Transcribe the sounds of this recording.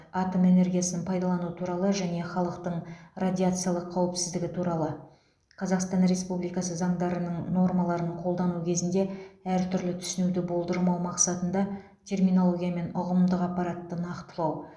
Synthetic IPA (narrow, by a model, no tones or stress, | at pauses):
ɑt̪ome̞ne̞rɡʲijasənənpʰɑjd̪ɑlˠɑnuət̪ʰuɾɑlˠəʒæne̞χɑlˠəqt̪əɴradʲiat̪sɨjalˠəqʰːɑwɪpsɪzd̪ɪɡʲɪt̪ʰuɾɑlˠə | qʰɑzɑqst̪ɑnre̞spublijkɑsəzɑɴd̪ɑɾənəɴno̞rmɑlˠɑɾəɴqʰo̞lˠd̪ɑnukʲʰe̞zɪnd̪e̞æɾt̪ʰʏɾlɪt̪ʰʏ̥sɪnud̪ɪbo̞lˠd̪əɾmɑwmɑqsɑt̪ənd̪ɑ | t̪ʲʰe̞rmijno̞lˠo̞ɡʲijame̞nʊʁəmd̪əqɑpːɑɾɑt̪ːənɑqt̪əlˠɑw